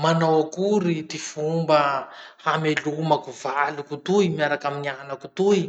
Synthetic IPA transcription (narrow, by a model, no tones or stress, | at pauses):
manowakuɾit̪ifumbəhamelumakuvalukut̪uimiaɾakaminianakut̪uji